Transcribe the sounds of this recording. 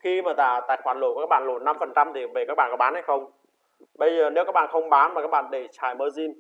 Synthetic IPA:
xi˧maː˨˩zaː˧˩t̪a̰ː˧˨jxwaː˧˩nlo̰˨˧˩wkːaː˦˥ɓa̰ː˧˨nlo˨˧˩na˧mfə˨˩nt͡ɕa˧mt̪ʰi˨˩ve˨˩kaː˦˥k̚ɓa̰ː˧˨˩kɔ˨˦ɓaː˨˦nha˧˦jxə˧wŋ͡m | ɓə˧jzəː˨˩ne˨˦wkaː˦˥k̚ɓ̰aː˧˨xə˧wŋ͡mɓaː˨˦nma˨˩kaː˦˥k̚ɓa̰ː˧˨nɗe˧˩t͡ɕaː˨˩jməː˧zi˧m

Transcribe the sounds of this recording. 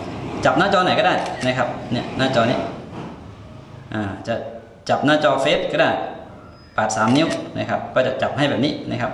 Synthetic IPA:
t͡ɕa˨˩p̚naː˥˩t͡ɕɔː˧na˨˩jkaː˧˥˩daː˥˩jna˧˥˩kʰa˦˧˥p̚ni˧˩ɐnaː˧˥˩t͡ɕɔː˧ni˧˥˨ | ʔaː˧˩t͡ɕa˨˩ | t͡ɕa˨˩p̚naː˧˥˩t͡ɕɔː˧fe˦˥t̪̚kʰaː˧˩daː˥˩j | paː˨˩t̪̚saː˩˦mni˧˥˨na˧˩kʰa˧˩p̚kʰɔː˧˩t͡ɕa˨˩t͡ɕa˨˩p̚ha˨˩jbɛː˨˩p̚niː˦˧˥na˧˥kʰa˧˥p̚

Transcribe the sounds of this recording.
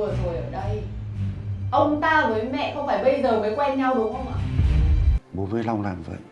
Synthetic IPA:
ə˩zo˨˩jʔəː˧˩ɗə˧j | ʔə˧wŋ͡mt̪aː˧vəː˨˦jmɛ̰˧˨xə˧wŋ͡mfaː˧˩jɓə˧jzəː˨˩məː˨˦jkwɛ˧nɲa˧wɗɨ˨˦əkxə˧wŋ͡mʔa̰ː˧˨ | ɓo˨˦veː˨˦la˧wŋ͡mlaː˨˩mvə̰˧˨j

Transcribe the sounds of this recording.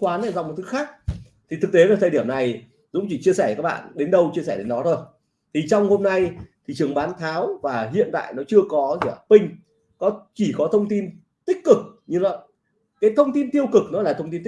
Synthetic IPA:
kwaː˨˦na̰˧˨za̰ː˧˨ŋ͡mm˨˩t̪ʰɨ˨˦xaː˦˥k̚ | t̪ʰi˨˩t̪ʰɨ˨˩k̚t̪e˨˦vaː˨˩t̪aː˧jɗi˧˩əmna˨˩j | zʊ̰˧˥ŋ͡mt͡ɕi˧˩t͡ɕi˧əsɛː˧˩kaː˦˥k̚ɓa̰ː˧˨nɗe˨˦nɗə˧wt͡ɕi˧əsɛː˧˩ɗe˨˦nɗɔ˨˦zo˨˩j | t̪ʰi˨˩t͡ɕɔ˧wŋ͡mho˧mna˧jt̪ʰi˨˩t͡ɕɨ˨˩əŋɓaː˨˦nt̪ʰaː˨˦wvaː˨˩ɦḭ˧˨ənt̪a̰ː˧˨jnɔ˨˦t͡ɕɨ˧əkɔ˨˦zḭ˧˩˨pï˧ŋ̟ | kɔ˨˦t͡ɕi˧˩kɔ˨˦t̪ʰə˧wŋ͡mt̪i˧n | t̪ï˦˥k̟̚kɨ˨˩k̚ɲɨ˧lɔ˧˨˦ | kaː˨˦jt̪ʰə˧wŋ͡mt̪i˧nt̪i˧əwkɨ˨˩k̚nɔ˨˦laː˨˩t̪ʰə˧ŋ͡mt̪i˧nt̪

